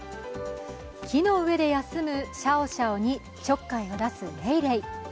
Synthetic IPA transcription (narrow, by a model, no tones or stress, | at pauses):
kʲino̞ɯ̟βe̞d̪e̞jasɨmɯ̟ɕao̞ɕaoɲ̟i | t͡ɕo̞kːaio̞d̪asɨɾeiɾei